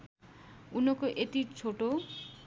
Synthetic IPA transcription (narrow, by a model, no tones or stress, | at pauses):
unokoʔet̪it͡ɕʰoʈo